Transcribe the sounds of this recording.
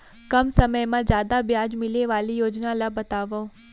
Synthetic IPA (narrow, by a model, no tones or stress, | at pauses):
kəmsəməjmãd͡ʒjaːd̪abjad͡ʒmɪleʋalijoːd͡ʒnalabət̪aʋo